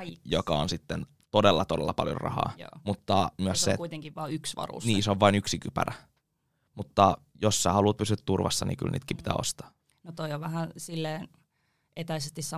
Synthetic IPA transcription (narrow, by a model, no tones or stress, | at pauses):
jokɑonsit̪ːen | t̪odelːɑt̪odelːɑpɑljo̰rɑ̰hɑ̰ːj̰mut̪ːɑmyəssekuit̪eŋkiʋʋɑːyksʋɑ̰rṵsniːseoʋʋɑinyksikypæ̰ræ | mut̪ːɑ | josːæhɑluːt̪̚pysyæt̪t̪urʋɑsːɑnḭːky̰lnḭːt̪kiːmpit̪æ̰ːo̰st̪ɑ̥ː | not̪oioʋæhænsilːeːn | et̪æisest̪issɑ